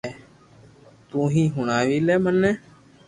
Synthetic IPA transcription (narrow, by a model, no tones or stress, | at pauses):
eː | t̪ũːɦĩːɦʊɳaːʋiːlɛːmənːɛ̃ː